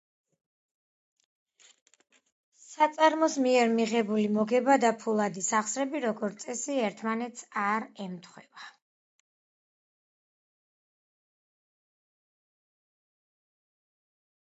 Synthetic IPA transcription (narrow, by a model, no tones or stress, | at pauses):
sat̪sʼaɾmɔsmiɛɾmiʁɛbulimɔɡɛbad̪apʰulˠad̪isaχsɾɛbiɾɔɡɔɾt̪sʼɛsiɛɾt̪ʰmanɛt̪sʰaɾɛmt̪ʰχwɛba